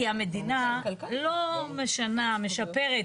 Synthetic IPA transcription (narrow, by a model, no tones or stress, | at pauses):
iame̞dina | lo̞me̞ʃaname̞ʃape̞ʁe